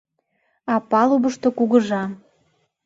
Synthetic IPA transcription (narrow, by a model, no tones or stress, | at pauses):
ɑpɑluβəʃt̪okuɣə̆ʒɑ